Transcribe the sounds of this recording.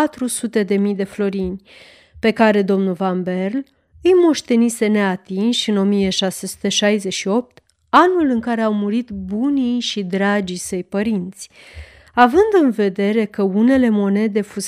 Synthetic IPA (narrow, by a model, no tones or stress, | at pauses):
at̪ɾusut̪e̞d̪e̞mijd̪e̞flo̞ɾinʲ | pe̞kaɾe̞d̪o̞mnulvambe̞rl | ɨjmo̞ʃt̪e̞nise̞ne̞at̪inʃʲɨno̞mije̞ʃase̞su̥t̪e̞ʃajze̞ʃio̞p̚t̪ | anulɨŋkaɾe̞awmuɾit̪bunijʃid̪ɾad͡ʒisəjpəɾint̪sʲ | avɨnd̪ɨnve̞d̪e̞ɾe̞kəune̞le̞mo̞ne̞d̪e̞fus